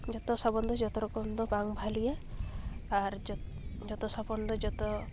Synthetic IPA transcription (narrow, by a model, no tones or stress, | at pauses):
d͡ʒɔt̪ɔsɔbɔnd̪ʱɔd͡ʒɔt̪ɔɾɔkɔnd̪ɔbaŋbʱalije | aɾ | d͡ʒɔt̪ɔsɔbɔnd̪ɔd͡ʒɔt̪ɔ